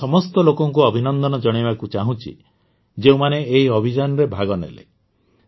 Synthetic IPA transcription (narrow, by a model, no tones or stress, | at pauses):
ɔmɔst̪ɔlokɔŋk̬uɔbʱinɔnd̪ɔnɔd͡ʒɔɽ̃ibakut͡ʃaɦũt͡ʃʰḭ | d͡ʒeũmaneːɦiɔbʱid͡ʒanɔɾebʱaɡɔnḛlḛ